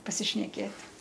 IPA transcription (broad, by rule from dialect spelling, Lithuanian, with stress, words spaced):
pɐsʲɪʃʲnʲɛˈkʲeːtʲ